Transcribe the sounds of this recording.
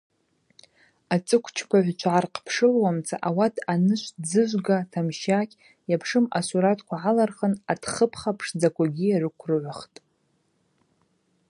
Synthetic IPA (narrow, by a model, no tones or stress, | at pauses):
at͡sʼɨkʷʰt͡ʃʰpʷʰaʕʷt͡ʃʷʰʕarqʰʼpʰʂɨlwamt͡sʰʼa̰ʔawatʰanɨʃʷʰd͡zɨʒʷɡatʰamʃakʲʼ | japʰʂɨma̰suɾatʰkʷʰaʕalarχənadχəpʰχapʰʂd͡zakʷʰaɡʲijarɨkʷʰrɨʕʷaχtʼ